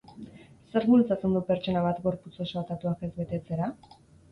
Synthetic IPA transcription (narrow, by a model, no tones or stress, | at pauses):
se̞ɾβult͡sat͡se̞nd̪upe̞ɾt͡ʃo̞naβ̞at̪ɡo̞ɾput͡so̞soat̪at̪uake̞zβe̞t̪e̞t͡se̞ɾa